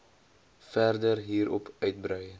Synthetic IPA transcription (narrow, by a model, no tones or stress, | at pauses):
fɛrdərɦiːɾɔpœɥt̚brœjə